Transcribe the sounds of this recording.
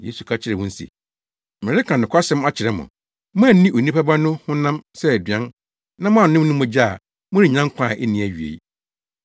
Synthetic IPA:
jḛ˦su˨kʰa˦t͡ɕʰɪ˨ɾɛ˨wʊ̃˦n̩˦sḭ˨ | mɪ̃˨ɾɪ˦kʰã˨nʊ̃˨kʰa˦sɛ̃˦ma˦t͡ɕʰɪ˨ɾɛ˨mʊ̰̃˨ | mʊ̃˦˨˦nĩ˦ʔo˨nĩ˦pa˦ba˦nʊ̃˦hʊ̃˦nã˦msɛ˦æ˨dɥã˦n | nã˦mʊ̃˦˨nɪ̃˦m˦nʊ̃˦mʊ̃˨d͡ʑa˦a˨ | mʊ̃˦nɪ̃˨ɲã˦ŋ˦kʷʰã˦˨ʔɛ˦nĩ˨æ˨ɥi˨ḛ˨˦

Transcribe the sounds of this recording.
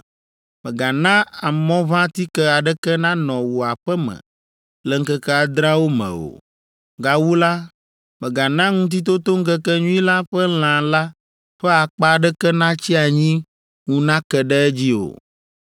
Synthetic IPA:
mə̃˨ɡa˨nã˦a˨mɔ̃˦βã˦t̪i˦kɛ˦a˨ɖɛ˦kɛ˦nã˦nɔ̃˨wo˨a˨ɸɛ˦mɛ̰̃˨ | lɛ˨ŋ̩˦kɛ˦kɛ˦a˨d̪ɾã˦wo˦mɛ̰̃˨o̰˨ | ɡa˨wu˦la˦ | mɛ̃˨ɡa˨nã˦ŋũ˦t̪̬i˦t̪o˦t̪o˦ŋ̩˦kɛ˦kɛ˦ɲũ˦ĩ˦la˦ɸɛ˦l̃ã˨la˦ | ɸɛ˦a˨k͡pa˦˨ɖɛ˦kɛ˦nã˦t͡ɕi˦a˨ɲĩ˦ | ŋũ˦nã˦kɛ˨ɖɛ˦d͡ʑi˦o̰˨

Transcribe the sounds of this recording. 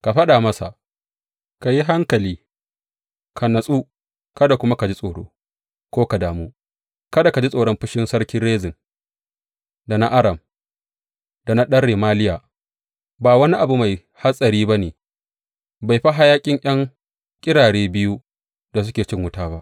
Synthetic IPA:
ka˨ɸɐ˦ɗa˨mɐ˦sa̰˨ʔ | ka˨ji˦ɦa˦ŋkɐ˨liː˦ | kʰa˨nɐ˨sʼuː˦ | kɐ˦da˨kʷʊ˦ma˦ka˨d͡ʒi˦sʼoː˨ɽo̰ː˦ | kʷoː˦ka˨daː˨mu˦ | kɐ˦da˨ka˨d͡ʒi˦sʼoː˨ɽɔ˦mɸɪ˦ʃɪ˦nsɐ˦ɽkʲɪ˦nɽeː˦zɪ˨n | da˨na˦ʔa˦ɽɐ˨m | d̥a˨na˦ɗɐ˦ɽːeː˨maː˦lɪ˦jaː˨ | baː˨wɐ˦ni˦ʔa˨bu˨ma˨j | ha˦sʼɐ˨ɾiː˦ba˦neː˨ | ba˨jɸa˦ɦa˦jaː˦kʲʼɪ˦ŋʔj̰ɐ˦ŋ | kʲʼɪ˦ɽaː˨ɽeː˦bɪ˦ju˦ | da˨s̬ʊ˦kʲeː˨t͡ʃɪ˦ŋwʊ˦taː˦ba˦ʔ

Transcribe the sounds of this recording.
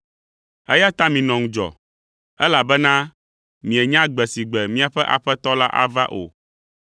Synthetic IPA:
ɛ̰˦ja˦t̪a˦mĩ˨nɔ̃˨ŋũ˦d͡ʒɔ̰˨ | ɛ˦la˨bɛ˦nã˦ | mĩ˨ɛ˨ɲã˦ɡ͡bɛ˨si˨ɡ͡bɛ˨mĩ˦a˨ɸɛ˦ʔa̰˨ɸɛ˦t̪ɔ˦la˦ʔa̰˦va˦ʔo̰˨

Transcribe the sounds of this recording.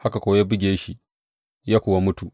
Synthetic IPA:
ha˦ka˨kʷoː˦ja˦bɪ˦ɡʲeː˦ʃi˨ | jaː˦kʷʊ˨wa˦mʊ˦tu˨

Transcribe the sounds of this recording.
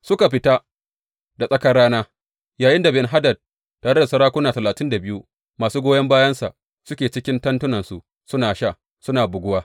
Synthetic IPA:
sʊ˦ka˨ɸɪ˦ta˦ | da˨sʼɐ˦kɐ˦rɽaː˦naː˦ | jaː˨jɪ˦nda˨bɪ˨nɦa˦dɐ˨d̚ | tːaː˨ɽe˦da˨sɐ˦ɾaː˦kʷʊ˦naː˨tɐ˨laː˨tɪ˦nda˨bɪ˦ju˦ | maː˨suː˦ɡʷoː˦jɐ˦mbaː˦jɐ˦nsa̰˨ʔ | sʊ˦kʲeː˨t͡ʃɪ˦kʲɪ˦ntɐ˦ntʊ˦nɐ˨nsu˨ | sʊ˦naː˨ʃa˦˨ | sʊ˦naː˨bʊ˨ɡʷʊ˦waː˦

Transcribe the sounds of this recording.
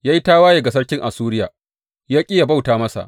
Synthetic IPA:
jaː˦ji˦taː˦waː˦je˨ɡɐ˨s̬ɐ˦rkʲɪ˦ŋʔa˨suː˦ɾɪ˦ja˨ | jaː˦kʲʼɪ˦ja˨ba˦˨wtaː˨mɐ˦sa̰˨ʔ

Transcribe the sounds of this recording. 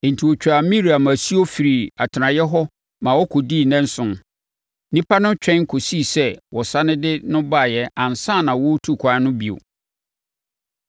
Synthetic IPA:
n̩˨tʰi˨wo˨t͡ɕᶣa˨mĩ˦ɾi˨a˨mã˨si˦o˦fi˨ɾi˨a˨tʰɪ˨ɾã˨jɛ˦ɦɔ˦ | mã˨wɔ˦kʰɔ˨di˦˨nɛ̃˦n̩˦sʊ̃˨n | nĩ˦pʰa˦nʊ̃˦t͡ɕᶣɛ̃˦ŋ˦kʰo˨si˦˨sɛ˦wɔ˨sa˦nɪ̃˦dɪ˦nʊ̃˦ba˦˨jɛ˦ã˨n˨sãː˦˨nã˨wɔ˦tʰu˦˨kʷʰa˨˦nʊ̃˦bi˨o̰˨

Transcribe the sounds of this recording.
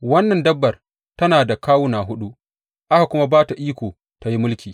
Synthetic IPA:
wɐ˦nːɐ˨ndɐ˦bːɐ˨r | tɐ˦naː˨da˨kaː˦wʊ˦naː˨ɦʊ˦ɗu˦ʔ | ʔa˦ha˨kʷʊ˦ma˦baː˦ta˨ʔiː˦kʷoː˨ | ta˨ji˦mʊ˦lkʲiː˨

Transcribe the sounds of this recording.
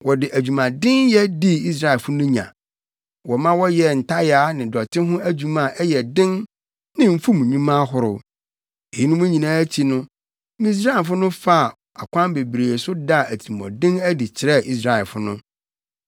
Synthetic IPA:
wɔ˨dɪ˨ʔæ˨d͡ʑᶣu˨mã˨dɪ̃˦njɛ˦di˦i˦s̬ɾa˦ɛ˨fʊ˦nʊ̃˦ɲã̰˨ | wɔ˨mã˦wɔ˦jɛ˨n̩˨tʰa˦jaː˨˦nɪ̃˨dɔ˨tʰɪ˦ɦʊ̃˦æ˦d͡ʑᶣu˨mã˨ʔɛ˦jɛ˨dɪ̃˦n | nɪ̃˦m̩˦fu˦mũ˨ɲũ˦mã˦ɦʊ˦ɾʊ˦ | e˨ji˦nʊ̃˦mʊ̃˦ɲĩ˨nãː˨˦æ˦t͡ɕʰi˦nʊ̃˦ | mĩ˦s̬ɾa˦ɛ˨fʊ˦nʊ̃˦fa˦˨ | a˨kʷã˦nbe˨bɾe˨sʊ˦da˦˨æ˨tʰi˨mɔ̰̃˨dɪ̃˦næ˦di˨t͡ɕʰɪ˨ɾɛ˦ʔi˦s̬ɾa˦˨ɛ˨lfʊ˦nʊ̃˦

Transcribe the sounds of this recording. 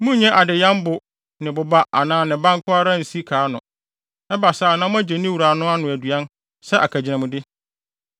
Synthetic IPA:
mũ˦ɲɛ̃˦ʔa˨dɪ˨jã˦mbʊ˨ | nɪ̃˨bʊ˨ba˦ʔa˨nãː˨˦˨nɪ̃˨bã˦ŋ˦kʰʊ˦a˦ɾã˦˨n̩˨si˦kʰaː˨˦nʊ̃˨ | ɛ˦ba˨saː˦˨nã˦mʊ̃˦æ˦d͡ʑɛ˨nɪ̃˦wu˨ɾaː˨nʊ̃˦a˦nʊ̃˨æ˨dɥa˦n | sɛ˦ʔa˨kʰæ˨d͡ʑɪ˨nã˨mʊ̃˨dɪ˦

